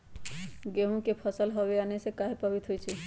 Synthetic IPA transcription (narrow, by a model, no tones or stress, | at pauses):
ɡeɦũkepʰəsəlɦɔbeanesekaɦepabit̪ɦojt͡ʃʰɛ